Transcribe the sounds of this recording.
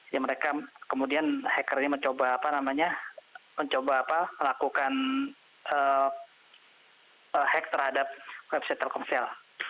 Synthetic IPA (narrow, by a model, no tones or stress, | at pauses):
jaməɾekakəmudianhɛkərɾɲaməɲt͡ʃobaːpanamaɲaməɲt͡ʃobaːpaməlakukan | ʔə | əhɛk̚t̪ərhadap̚wɛbsɛt̪əlkɔnsɛl